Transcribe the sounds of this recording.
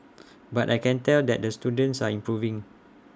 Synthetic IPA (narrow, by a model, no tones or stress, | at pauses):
batajkɛ̃ntɛldɛt̚dəstudə̃nsaĩmpɹuvĩŋ